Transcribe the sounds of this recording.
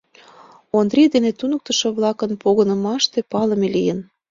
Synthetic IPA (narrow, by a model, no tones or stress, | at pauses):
ond̪rʲid̪enet̪unək̚t̪ə̆ʃɤ̆βlɑkənpoɣənə̆mɑʃt̪epɑləmelijən